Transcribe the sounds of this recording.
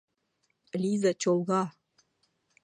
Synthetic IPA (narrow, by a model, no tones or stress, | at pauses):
lʲizat͡ɕolˠɣɑ